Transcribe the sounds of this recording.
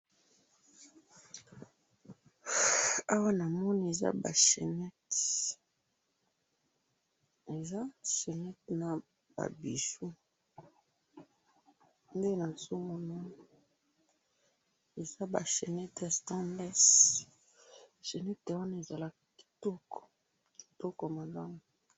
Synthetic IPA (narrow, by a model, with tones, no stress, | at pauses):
a˦wa˦na˨mɔ˦ni˦e˨za̰˦ba̰˨ʃe˨nɛ˦t | e˨za˦ʃe˨nɛ˦tna˨ | b̥a̰˨bi˨zu˦ | nde˦na˨so˦mo˦na˦ | e˨za˦ba̰˨ʃe˨nɛ˦tstã˦bɛ˦s | ʃe˨nɛ˦twa˦na˦e˨za˨la˦ | ki̥˨tɔ˦kɔ̥˨ | ki̥˨tɔ˦ko˨ma˨la˦mo˨